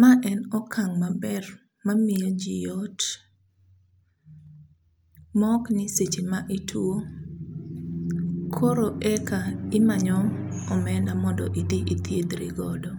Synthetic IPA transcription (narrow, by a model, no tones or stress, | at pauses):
maʔɛnɔkʰaŋmabɛr | mamɪɔd͡ʒijɔt | mɔknɪset͡ʃimaʔitʰuo | kʰoɾoʔɛkaɪmaɲɔmɔmɛndamɔndɔ̰ʔidiʔit̪ʰjed̪ɾḭɡɔdɔ